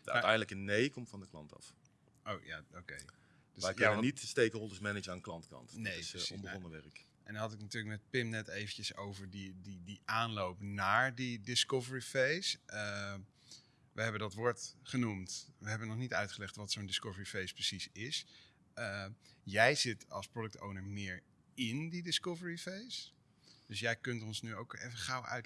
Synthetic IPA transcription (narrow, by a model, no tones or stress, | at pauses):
də̰tɛjndələkənejkɔmtfɑndəklɑ̰ntɑ̰f | ʔo̰wja̰okej | d̥øɛkɛnənitstejkəɔlˠdəsmɛnɪd͡ʒaːnklɑntkɑ̰ntnejssɔ̃bəɔnəʋɛrək | ʔɛ̰ndɔnɦɑtɪknatyːɹləkmɛt̚pɪmnɛtejvəncəso̰wvəɹdididiʔaːnlowpnaːɹdidɪskɔvəɹifejs | ʋəɦɛbəndɑtʋʊːɹtχənumtʋəɦɛbənɔχnitœ̰ɥtχəlɛχtʋɑtsondɪskɔvəɹifejsprəsisɪs | əjɛjzɪtɑ̰lˠsprodɵk̚to̰wnəɹmɪːɹ | ɪndidɪskɔvəɹifejs | d̥ɵsjɛjkɵntɔnsnyowkejvəχɑwʔœ̰ɥt